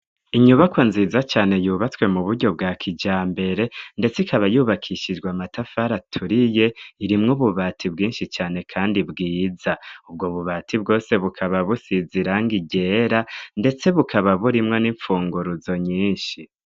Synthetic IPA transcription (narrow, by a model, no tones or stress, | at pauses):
iɲuβakwanziːzat͡ʃaːne̞juːβat͡swe̞muβuɾɟo̞b̚ɡaːkʰid͡ʒaːmbe̞ɾe̞nde̞t͡sikaβajuːβakʰiʃid͡ʒɡwamatafaɾatʰuɾije̞iɾimŋuβuβatʰibɡiːnʃit͡ʃaːne̞kʰaːndibɡiːzaubɡo̞βuβaːtʰib̚ɡo̞ːse̞βukʰaβaβusiziɾaŋɡiɟe̞ɾande̞t͡se̞βukʰaβaβuɾimŋo̞niɱfuːŋɡuɾuzo̞ɲiːnʃi